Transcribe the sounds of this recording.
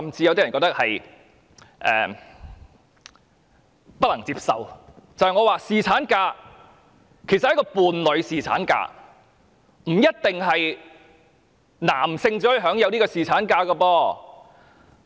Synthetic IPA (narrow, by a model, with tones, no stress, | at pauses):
ɐ˨mt͡siː˧jɐ˧wt̪i˥ɐ˨˩nkɔː˧k̚t̪ɐ˥k̚hɐ˨j | ʔɛ̰ː˨ | pɐ˥t̚lɐ˨˩ŋt͡siː˧p̚sɐ̰˨wt͡sɐ˨˧˩hɐ˨jŋɔː˨˧waː˨˧siː˨t͡sʰaː˨˥nkaː˧ | kʰe˨˩sɐt̚hkɔː˧puː˨nlɵ˨˧ɥsiː˨t͡sʰa̰ː˨˥nka̰ː˧ | m̩˨˩jɐ˥t̚t̪ɪ˨ŋɦɐ˨j | na̰ː˨˩msɪ˧ŋt͡sɔː˨˥˧ɦœː˨˥ŋjɐ˨˧wniː˥kɔː˧siː˨˩t͡sʰaː˨˥nkaː˧kɐ˧pɔː˧